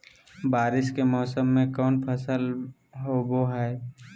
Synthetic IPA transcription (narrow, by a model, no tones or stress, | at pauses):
baːɾɪʃkemɔːsəmːẽkɔːnpʰəsəl | ɦoboɦɛː